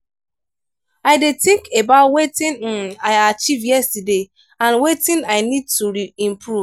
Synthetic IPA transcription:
aɪdetĩŋkʰebaʊtwetĩnaɪat͡ʃivjɛstəde | ãnwetĩnaɪnid̚tuɹiĩmpʰɹu

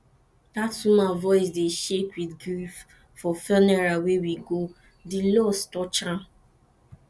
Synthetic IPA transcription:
tatsumavɔɪs̬deʃekwidɡɾif | fɔfɛnɛɹawewiɡo | dilɔstɔt͡ʃã

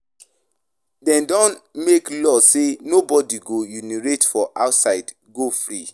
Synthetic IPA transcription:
dɛ̃ndɔ̃nmeklɔsenobɔdiɡojuniɹetfɔʔaʊtsaɪd | ɡofɹi

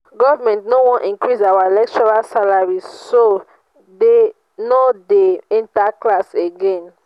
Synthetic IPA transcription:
ɡɔvamɛ̃ntnowɔ̃nʔĩŋkɹisawaelɛk̚tɔɹalsalaɹiso | de | nodeĩntaklaseɡɛ̃n

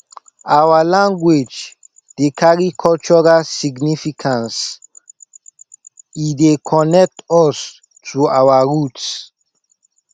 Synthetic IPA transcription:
awalãŋɡwed͡ʒ | dekʰaɹikʰɔlt͡ʃɔɹasiɡnifikʰãns | idekʰɔnɛk̚tʰɔs | tʰuawaɹuts

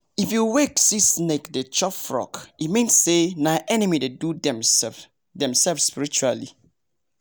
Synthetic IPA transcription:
ifjuweksisnekdet͡ʃɔpfɹɔ̰kitmĩnsenajʔɛnimidedudɛm | dɛ̃msɛlfsspiɹit͡ʃualḭ

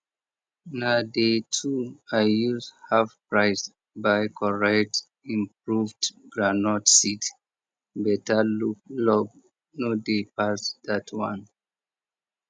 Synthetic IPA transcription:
nadetʰuajuzhavpɹaɪs | bajkʰɔɹɛk̚t | ĩmpɹuvdɡɹanɔtsit | bɛtalulɔɡ̚ | nodepasd̪atʰwã̰n

